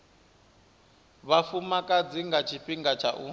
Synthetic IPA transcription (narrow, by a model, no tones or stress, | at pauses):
βafumakʼad͡ziŋɡat͡ʃʰiɸiŋɡat͡ʃʰaʔṵ